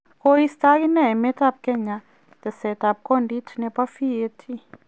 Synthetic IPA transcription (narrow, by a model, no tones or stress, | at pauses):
koist̪akinɛmɛtap̚kɛɲa | d̪̥əsɛtap̚konditʰnɛpafietʰi